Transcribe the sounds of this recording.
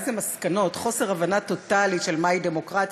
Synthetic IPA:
zemaskano̞tχo̞se̞ʁavanat̪o̞taliʃe̞lmaide̞mo̞kʁat

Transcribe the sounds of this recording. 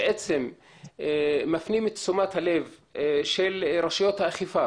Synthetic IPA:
eʔet͡sem | afnimet̪t͡sumat̪halevʃelɾaʃjot̪haːχifa

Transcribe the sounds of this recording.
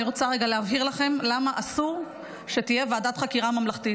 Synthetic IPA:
iʁo̞t͡saʁeɡaleavɦiʁlaχe̞mlamaʔasuʁ | ʃet̪ijeveadat̪χakiʁamamlaχt̪it

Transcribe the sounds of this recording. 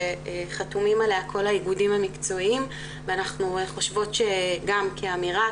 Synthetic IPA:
eχatumimalejakʰo̞laiɡudimhamikt͡so̞im | veanaχnueχo̞ʃvo̞tʃeɡamkʰeamiʁa

